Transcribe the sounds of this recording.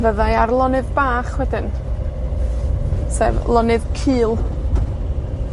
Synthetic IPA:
vəðajarlˠɔnɨðbaːχwɛdɪn | sɛ̰ːvlˠɔnɨðkʰɨːlˠ

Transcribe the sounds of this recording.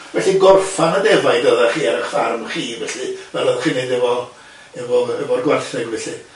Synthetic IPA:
vɛɬiɡɔrfanadɛvajdɔðaχiːaɾəχfarmχiːvɛɬɨvɛlˠɔðχinejdɛvɔ | ɛvɔəvɔrɡwarθɪɡvɛɬɨ

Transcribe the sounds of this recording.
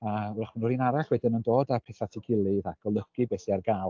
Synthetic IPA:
araχənɔɾinaɾaɬwɛdɪnəndoːdapʰɛθatʰiɡɪlˠɨðaɡ̥ɔlˠəɡibɛsiarɡalˠ

